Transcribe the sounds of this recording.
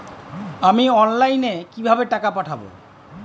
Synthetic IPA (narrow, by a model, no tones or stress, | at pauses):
amiɔnlajnekibʱabeʈakapaʈʰabo̰